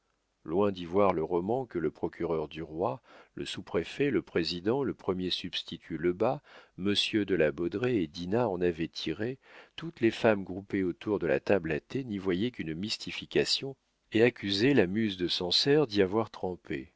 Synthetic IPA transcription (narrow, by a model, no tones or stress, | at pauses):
lwɛ̃d̪ivwaʁləʁɔmɑ̃kələpχɔkʲyʁœʁd̪yʁwalə̰supχefɛləpχezid̪ɑ̃ləpχəmjesybst̪it̪ʰyləbaməsjød̪əlabɔd̪ʁeːd̪inaɑ̃navɛt̪ʰiʁet̪ut̪lefamɡʁupeot̪uʁd̪əla̰t̪ablat̪enivwajɛkʲynmist̪ifikʲasjɔ̃ | eakʲyzelamyzd̪əsɑ̃sɛʁd̪iavwaʁt̪χɑ̃pḛ